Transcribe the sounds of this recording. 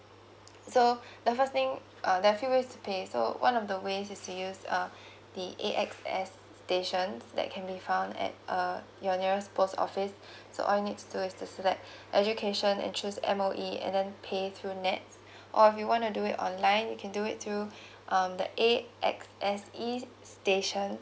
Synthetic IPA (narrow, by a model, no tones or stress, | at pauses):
sodəfəst̪ɪ̃ŋ | ʔʌdɛafjuwestʰupʰeso̰wʔã̰nɔfdəwesɪstujusʌ̃ | d̪iʔeʔɛksɛ̰sːteʃə̃nsdɛ̰t̚kʰɛ̃nbifãʊ̃ndɛ̰t̚ʔʌ | jɔniɹəspʰostɔ̰fɪsː | o̰ʔɔ̰ljunit̚tʰːuduɪstusɛlɛk̚t | ʔɛd͡ʒukʰeʃə̃nɛ̰̃nt͡ʃʰusɛ̰̃moʔiɛ̰̃ndɛ̃npʰeθɹunɛts | ʔɔɪfjuwɔ̃ntuduɪtɔ̰̃nlãɪ̃njukʰɛ̃nduɪt̚θʰɹu | ʔʌ̃mdə̰ʔeʔɛ̰ksʔɛsi | steʃə̃n